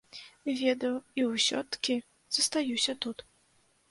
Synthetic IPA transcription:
vʲɛd̪ɐwiwsʲɔ̰t̪kʲi | z̥ɐst̪ajusʲɐt̪ut̪

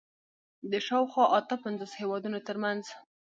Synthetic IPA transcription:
d̪əʃɑwxwɑʔat̪əpanzoshewɑd̪unot̪əɾmanz

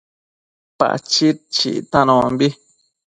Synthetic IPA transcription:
pa̰ʔt͡ʃit̚t͡ʃḭʔt̪ãnɔ̃ːmbi

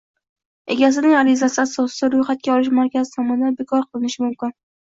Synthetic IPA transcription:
e̞̰ɡʲas̬ɪnɪŋaɾɪzasɪasɒsɪaɾʊjχat̪̚kʲaɒlˠɪʃmaɾkʲazɪt̪ʰɒmɒnɪd̪anbekʰɒɾqʰɨlˠɪnɪʃɪmʊmkʲɪn

